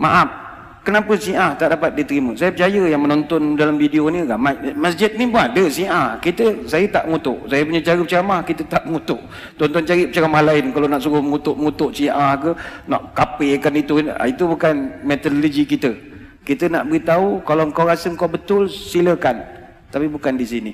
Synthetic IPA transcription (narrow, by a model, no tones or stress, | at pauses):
ma̰ʔap̚ | kənapəsiʔaht̪aʔdapat̪̚dit̪əɾiməsajəpət͡ʃajəjaŋmənɔnt̪ɔndalamfideonikamamasd͡ʒɪt̪̚nibadəsiʔahkit̪əsajət̪aʔəŋut̪ʊʔsajəp̬uɲət͡ʃaɾəpət͡ʃaɣamahkit̪ət̪aʔməŋut̪ʊʔ | t̪ɔnt̪ɔnt͡ʃaɾiʔpət͡ʃaɾamahlaɪnkalonaʔsuɾʊhməŋut̪ʊʔməŋut̪ʊʔsiʔahkəna̰ʔkapekanit̪ṵit̪ubukanmɛt̪ɔdolod͡ʒikit̪ə | kit̪ənaʔbəɣit̪aukalaŋkawɾasəŋkawbət̪ʊlsiləkan | t̪apibukandisini